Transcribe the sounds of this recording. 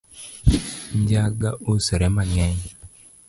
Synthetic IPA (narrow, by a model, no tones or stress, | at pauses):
ɲd͡ʒaɡaosɛɾɛmaŋɛɲ